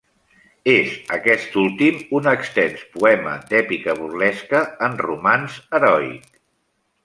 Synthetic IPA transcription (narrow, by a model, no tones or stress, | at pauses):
ezəkɛst̪ulˠt̪imunəkst̪ɛnspuɛmə̰d̪ɛpikəβuɾlɛskəːnrumanzəɾɔḭt̪